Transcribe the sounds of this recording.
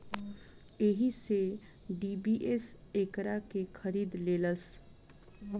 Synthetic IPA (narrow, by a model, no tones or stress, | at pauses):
eɦise | ɖibiʔesekɾakekʰəɾiːd̪leːləs